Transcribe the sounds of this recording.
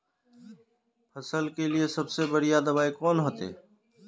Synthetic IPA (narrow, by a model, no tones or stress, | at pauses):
pʰəsəlkeliesəbsebəɽijaːd̪əʋaːikɔːnɦoːt̪ḛː